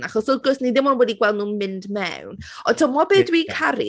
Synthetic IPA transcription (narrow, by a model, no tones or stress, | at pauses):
naχɔsɔɡɔsniðɪmɔnwɛdiɡwɛlˠdnũːnmɪndmɛ̰wn | ɔntʰɔmɔbɛdwikʰaɾḭ